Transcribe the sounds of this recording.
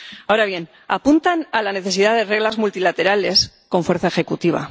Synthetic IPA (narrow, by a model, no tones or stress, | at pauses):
aoɾaβje̞n | apunt̪analane̞θe̞siðaðere̞ɣlazmult̪ilat̪e̞ɾale̞s | kõ̞ɱfwe̞ɾθae̞xe̞kut̪iβ̞a̰